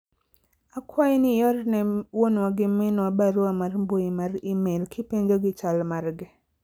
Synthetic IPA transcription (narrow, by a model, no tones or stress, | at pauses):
akwajnɪjɔɾnɛwonwaɡɪmɛnabaɾwamarmbojimarimelkʰɪpeɲd͡ʒoɡɪt͡ʃalmarɡɪ